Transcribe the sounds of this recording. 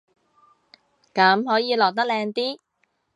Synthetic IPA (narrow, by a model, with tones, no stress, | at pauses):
kɐː˨˥mɦɔː˨˥jiː˨˧lɔː˨˩k̚t̪̬ɐ˥k̚lɛː˧ŋt̪iː˥